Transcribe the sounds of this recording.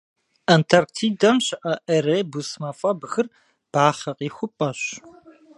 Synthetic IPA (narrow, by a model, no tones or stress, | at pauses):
ɐntʰɐrktʰiːdɐmɕɪʔɐʔɐɾeːbusmɐfʼɐbxɨr | b̥aːχɐqʼiːxʷʊpʼɐɕ